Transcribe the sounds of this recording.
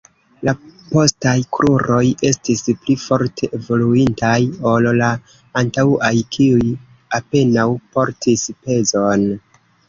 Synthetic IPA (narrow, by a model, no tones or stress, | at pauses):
lapo̞stajkɾʔuɾo̞je̞stisplifo̞ɾtʰe̞ʔevo̞luintajo̞llaː | ntauʔajkʰiuj | ape̞nawpo̞ɾtispe̞zo̞n